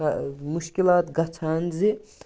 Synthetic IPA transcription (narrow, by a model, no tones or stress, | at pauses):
muʃkilaːt̪ɡɐt͡sʰaːnzi